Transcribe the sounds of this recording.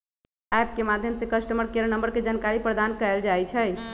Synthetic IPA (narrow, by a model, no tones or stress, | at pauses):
ɛp̚kemad̪ʱjəmsekəsʈəməɾkeɾənəmbəɾked͡ʒankaɾipɾəd̪ankəeld͡ʒajt͡ʃʰɛ